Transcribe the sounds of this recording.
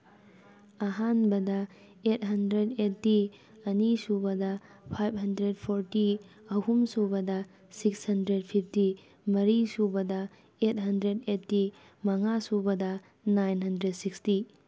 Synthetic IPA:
ɐɦanbɐdɐ | et̚ɦɐndɾedetːi | ɐnisubɐdɐ | pʰajb̚ɦɐndɾed̚pʰoɾti | ɐhumsubɐdɐ | sikshɐndɾed̚pʰip̚ʰti | mɐɾisubɐdɐ | et̚hɐndɾedetːi | mɐŋasubɐdɐ | najnɦɐndɾed̚siksti

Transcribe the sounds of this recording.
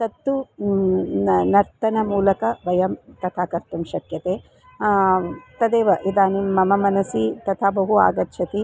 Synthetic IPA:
t̪ɐt̪ːu | nɐɾt̪ɐnɐmuːlɐkɐʋɐjɐmt̪ɐt̪ʰaːkɐɾt̪umʃɐk̪jɐt̪eː | t̪ɐd̪eːʋɐʔid̪aːnimːɐmɐmɐnɐsit̪ɐt̪ʰaːbɐɦua̰ːɡɐt̪ʃʰɐt̪i

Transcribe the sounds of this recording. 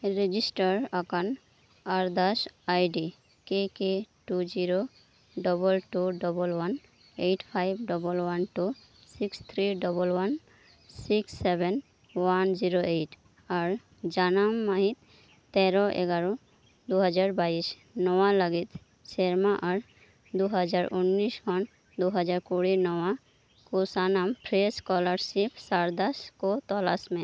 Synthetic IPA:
ɹed͡ʒisʈaɹakan | aɹd̪asajɖi | kekeʈuziɹo | ɖɔbɔlʈuɖɔbɔlwan | ejʈʰpʰajbɖɔbɔlwanʈu | sikst̪ʰɹiɖɔbɔlwan | siksːebʱen | wanziɹoejʈ | aɹ | d͡ʒanamːəɦit̪ː | ɛɾɔʔḛɡaɾo | d̪uɦəd͡ʒaɾbais | nɔwaləɡit̪ | seɾmaʔɔɾ | d̪uɦəd͡ʒaɾʊnːiswɔn | d̪oɦəd͡ʒaɾkoɽinɔwa | kosanampʰɾeskɔləɾsipʰsaɾd̪askot̪ɔlasmẽ

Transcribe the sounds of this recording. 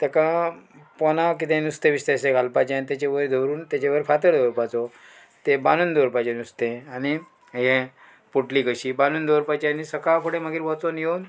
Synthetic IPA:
t̪ɛkãpɔnak̬it̪ẽnust̪ẽʋist̪ẽseɡalpat͡ɕant̪et͡ɕeʋəɾd̪ʱoɾuːnt̪at͡ɕeʋəɾfat̪əɾd̪ʱowɾpat͡sɔ | t̪ebanuːnd̪ʱoɾpat͡ɕenust̪ẽani | ɦẽ | puʈlikəɕiːbanuːnd̪ʱoɾpat͡ɕeanisəkapʰoɽẽməɡiːɾʋɔt͡sonjewn

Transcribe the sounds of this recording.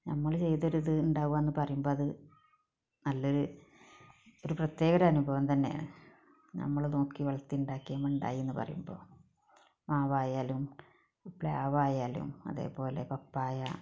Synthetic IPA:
nɐmːɐɭt͡ɕe̞jt̪oɾuðɨuɳɖaːʋuʋaːenːɨpɐrɐjumbo̞ːɐðɨ | nɐlːo̞ɾu | oɾuprɐt̪je̞ːɣɐɾɐɐnubʱɐʋɐmt̪ɐnːeja̰ɳɨ | nɐ̰mːɐɭno̞ːkːiʋɐɭɐt̪ːiuɳɖaːkːijamuɳɖa̰ːjienːɨpɐ̰rɐ̰jumbo̞̰ː | maːʋaːjaːlum | pɭa̰ːʋaːjaːlṵmɐ̰ðe̞̰ːpo̞ːle̞pɐpːaːjɐ

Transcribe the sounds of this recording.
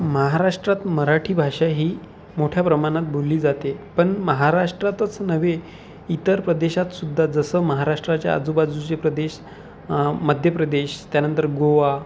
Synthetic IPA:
məɦaɾaʂʈɾat̪məɾaʈʰiːbʱaʂaɦiː | moʈʰjapɾəmaɽ̃at̪̚bʱolːiːd͡zat̪epəɳməɦaɾaʂʈɾat̪ət͡snəʋe | it̪əɾpɾəd̪eɕat̪sud̪ʱːad͡zəsəːməɦaɾaʂʈɾat͡ɕja̰a̰d͡zubad͡zut͡ɕepɾəd̪eɕ | məd̪ʱjəpɾəd̪eɕt̪janənt̪əɾɡoʋa

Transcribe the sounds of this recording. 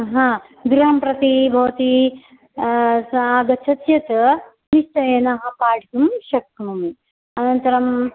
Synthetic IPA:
ɦãː | ɡɾuɦɐmpɾɐt̪ibʱɐʋɐt̪i | aːɡɐt͡ʃʰɐt̪jɐt̪ | niʃt͡ʃɐjɐnɐɦɐpaːʈikumʃɐk̚t̪ɐmumi | ɐnɐnt̪ɐɾɐm

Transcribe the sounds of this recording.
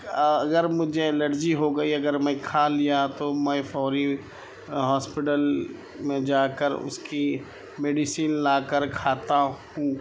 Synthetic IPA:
ɐɡəɾmʊd͡ʒʱeləɾd͡ʒiɦoɡɐiɐɡəɾmɛ̃kʰalijat̪omɛ̃fʰɔːɾi | ɦɔːspɪʈəl | mẽd͡ʒaːkəɾʊ̰ski | meːɖisiːnlaːkəɾkʰaːt̪ahũː

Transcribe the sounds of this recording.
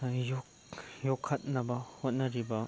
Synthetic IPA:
jok | jɔkʰːɐt̚nɐbɐhot̚nɐɾibɐ

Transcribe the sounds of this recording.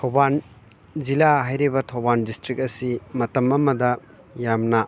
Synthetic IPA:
tʰowban | zilaɦajɾibɐtʰɐwbandistɾik̚ɐsimɐtɐmɐmɐdɐ | jamnɐ

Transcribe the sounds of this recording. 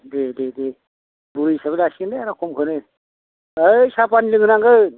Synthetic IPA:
dedede | buɾijsaβelasindeaɾakʰɔmkʰɯnɯ | ɯjsapanlɯŋɯnaŋɡɯ

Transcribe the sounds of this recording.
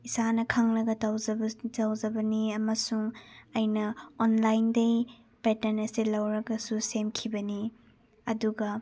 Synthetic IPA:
isanɐkʰaŋlɐɡɐtawzɐbzɐwzɐbɐniɐmɐsuŋɐjnɐonlajndɐj | petɐnɐsilɐwɾɐɡɐsusemkʰibɐni | ɐduɡɐ

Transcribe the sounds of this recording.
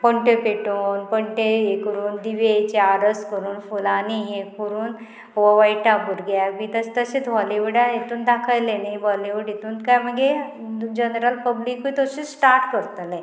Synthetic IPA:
pəɳʈepeʈonpəɳʈeekəɾuːnd̪iʋet͡ɕeaɾəskəɾuːnfulaniɦẽkuɾuːn | ʋɔʋajʈabuɾɡamit̪əst̪əɕet͡s̪ʋɔliʋuɽaet̪uːnd̪akʰəjlenabɔliʋuɽit̪uːnkajməɡe | d͡ʑənɾəlpəbliːkʋit̪oɕisʈaɾʈkəɾt̪lẽ

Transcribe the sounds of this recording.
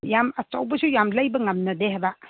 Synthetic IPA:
jamɐt͡ʃɐ̰wbɐsʰujamlɐjbɐŋɐmnɐdeɦajbɐ

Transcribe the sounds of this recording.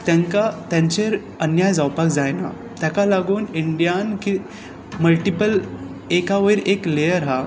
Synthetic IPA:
t̪jãŋkat̪jãɲt͡ɕeɾ | ənjajd͡zawpakd͡zajna̰ | t̪jakalaɡuːniɳɖijanki | məlʈipəl | ekaʋəiɾeklejəɾɦa

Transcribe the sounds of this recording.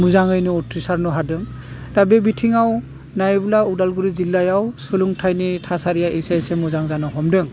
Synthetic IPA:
muzaŋɯjnɯɔtʰɾisaɾnɔɦadɯŋ | dabebitʰiŋaw | najbɯlaudalɡuɾizilːajawsɯluŋtʰajnitʰasaɾijaejsajsemuzaŋzanɔɦɔmdɯŋ

